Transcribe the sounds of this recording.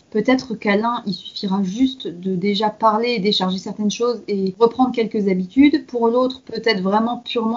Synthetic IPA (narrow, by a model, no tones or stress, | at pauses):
pøt̪ɛt̪χəkalɛ̃ʔilsy̥fiʁaʒyst̪d̪əd̪eʒapaʁleːd̪eʃaʁʒesɛʁt̪ɛnʃozeʁəpχɑ̃d̪ʁəkʲɛlkəzabit̪yd̪puʁlot̪χpøt̪ɛt̪χvʁɛmɑ̃pʰyʁmɑ̃